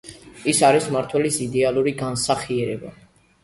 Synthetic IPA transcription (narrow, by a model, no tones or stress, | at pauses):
isaɾismaɾt̪ʰwɛlisid̪ɛalˠuɾiɡansaχiɛɾɛba̰